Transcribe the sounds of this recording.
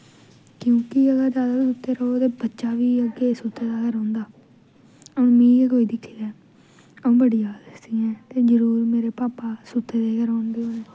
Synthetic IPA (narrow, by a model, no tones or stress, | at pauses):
kjũːkɪəɡaːd͡ʒjaːd̪aːsʊt̪ʰːeːɾəɦot̪eːbətːʃaːʋiːəɡeːsʊt̪ʰːeːd̪aːɡəɾɦõːnd̪aː | ə̃ːmĩːeɡɦoːiːd̪ɪkʰːiːd̪ɛː | əũːbəɽijaːdəst̪iːɛ̃ːt̪eːzəɾuːɾmeːɾeːpaːpaːsut̪ʰːeːd̪eːkəɾaːɳb̪eːoːneː